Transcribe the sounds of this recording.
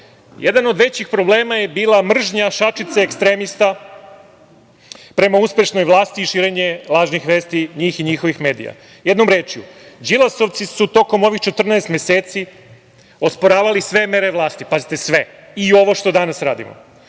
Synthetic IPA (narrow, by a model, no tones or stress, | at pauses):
jed̪ano̞d̪ʋe̞t͡ɕixpɾo̞ble̞ːmaje̞biːlˠamr̩ʒɲaʃat͡ʃit̪seekst̪ɾe̞ːmist̪a | pɾe̞mauspʲjeʃnojʋlˠaːst̪iːʃiːɾe̞ɲe̞lˠaːʒnixʋe̞ːst̪iɲiːxiɲixo̞ʋixme̞ːd̪ḭja̰ | je̞d̪no̞mɾeːt͡ʃijṵd͡ʑilˠaso̞ʋt̪sisut̪o̞ko̞mo̞ʋixt͡ʃet̪r̩nɛest̪mjeseːt̪si | o̞spoɾaːʋalisʋe̞me̞ɾe̞ʋlˠaːst̪ipazit̪e̞sʋe̞ | io̞ʋoʃt̪o̞d̪anasɾaːd̪ḭmo̰